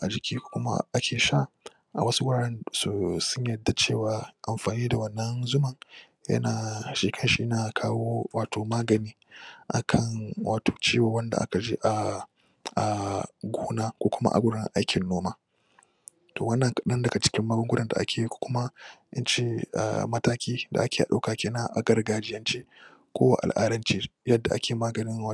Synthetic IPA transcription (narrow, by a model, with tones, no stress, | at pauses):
ʔa˨d͡ʒɪ˨kʲiː˦kʷo̥ː˦kʷʊ˦ma̰˦ʔa˦kʲeː˨ʃa˦˨ | ʔa˨wɐ˦su˦wʊ˦˨ɽɛ˦nsu˨sʊ˦ɲjɐ˨dːa˨t͡ʃeː˦˨waː˨ʔa˨mɸaː˨niː˦da˨wɐ˦nːɐ˦nzʊ˦mɐ˨ŋ | jɐ̰˦naː˨ʃi˦kʰɐ˦nʃi˦ʔnaː˨kʰaː˦woː˦waː˨toː˨maː˦ɡɐ˨niː˦ʔa̰˨kʰɐ˦ŋwʔaː˨tʰo̥ː˨t͡ʃiː˦waː˨wɐ˦nda̰˨ʔa̰˦ka˨d͡ʒi˦ʔa˨ | ʔa˨ɡʷoː˦naː˦kʷoː˦kʷʊ˦ma̰˦ʔa̰˨ɡʷʊ˦ɽnɪ̰˦ʔa˦jkʲʰɪ˨nːoː˦maː˦ | toː˨wɐ˦nːɐ˨ŋkɐ˨ɗɐ˦ndɐ˨ka˨t͡ʃɪ̥˦kʲɪ˦mːɐ˦ɡʊ˦ŋɡʷʊ˦ɾɐ˨nda̰˨ʔa̰˦kʲʰeː˨ji˦kʷo̥ː˦kʷʊ˦ma˦ʔɪ˦nt͡ʃḛː˦˨mɐ˦taː˦kʲiː˦da̰˨ʔa˦kʲeː˨ʔa̰˨ɗa˦wkaː˨kʲeː˦naː˦ʔa̰˨ɡɐ˦rɡaː˦d͡ʒɪ˦jɐ˦nt͡ʃeː˦ | kʷoː˦wa̰ː˦˨ʔa̰˨lʔa̰ː˦ɾɐ˦nt͡ʃiː˦jɐ˦dːa˨ʔa̰˦kʲeː˨maː˦ɡɐ˨nɪ˦ŋ˦